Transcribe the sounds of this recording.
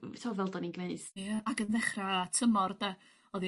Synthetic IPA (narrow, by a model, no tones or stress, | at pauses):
tʰɔwvɛlˠdɔninɡmeɨθaaɡənðɛχratʰəmɔrda | ɔði